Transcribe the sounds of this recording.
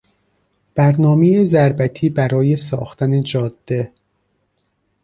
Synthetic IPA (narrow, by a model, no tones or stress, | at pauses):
b̥æɾnɒːmejezæɾbæt̪ʰiːbæɾɒːje̞sɒ̰ːxt̪ʰæne̞d͡ʒɒːd̪̥ːe̞